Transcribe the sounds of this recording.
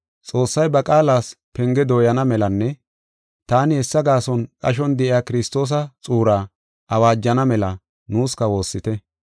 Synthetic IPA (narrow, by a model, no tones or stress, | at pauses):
t͡sʼo̞ːsːɐjbɐkʼaːlaːspɛŋɡɛd̪o̞ːjɐnɐmɛlɐnːɛ | t̪aːnɪhɛsːɐɡaːsɔnkʼɐʃ̬ɔnd̪ɛʔɪjaːkɪɾɪst̪o̞ːs̬ɐt͡sʼuːɾaː | ʔɐwaːd͡ʒːɐnɐmɛlɐ | nuːskɐwo̞ːsːɪt̪ɛ